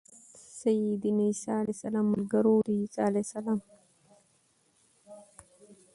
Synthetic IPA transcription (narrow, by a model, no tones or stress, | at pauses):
sajid̪inisalasalamːəlɡəɾoɾisalajsalam